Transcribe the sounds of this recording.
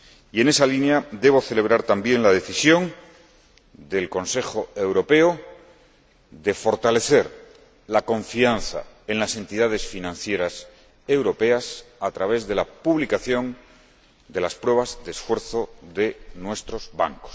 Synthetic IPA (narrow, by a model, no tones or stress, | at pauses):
ie̞ne̞salinjad̪e̞β̞o̞θe̞le̞βɾaɾt̪ambje̞nlaðe̞θisjo̞ŋ | d̪e̞lko̞nse̞xo̞e̞wɾo̞pe̞o | d̪e̞fo̞ɾt̪ale̞θe̞ɾ | lako̞ɱfianθa̰ | enlase̞nt̪iðaðe̞sfinãnθje̞ɾas | e̞wɾo̞pe̞asat̪ɾaβe̞zðe̞lapuβlikaθjo̞n | d̪e̞laspɾwe̞β̞azðesfwe̞ɾθo̞ðe̞nwe̞st̪ɾo̞zβa̰ŋko̥s